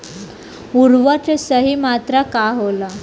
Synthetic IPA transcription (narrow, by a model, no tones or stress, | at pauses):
uɾʋat͡ɕesəɦimat̪ɾakaɦola